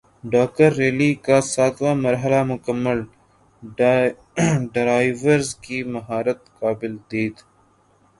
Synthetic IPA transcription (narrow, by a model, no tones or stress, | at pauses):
ɖaːk̚əɾːeːliːkaːsaːt̪waːmɐɾɦəlamʊkəmːəl | ɖɾaːɪʋəɾzkiːmɐɦaːɾət̪kaːbɪld̪eːt̪